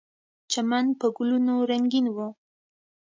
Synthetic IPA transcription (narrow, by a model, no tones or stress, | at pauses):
t͡ʃamanpəɡulunoɾaŋɡinwo